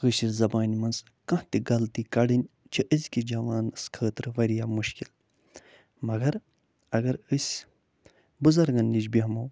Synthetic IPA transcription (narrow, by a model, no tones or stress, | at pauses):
ɣɨɕiɾzɐbaːnʲimɐnz | kɐ̃ht̪iɡɐlt̪ikɐɽɨnʲ | t͡ʃʰiʔəzʲkid͡ʒɐʋaːnɨskʰəːt̪ɾɨʋɐɾijaːmuʃkil | mɐɡɐɾ | ɐɡɐɾɨsʲ | bɨzɐɾɡɐnːid͡ʒbʲiɦmɐw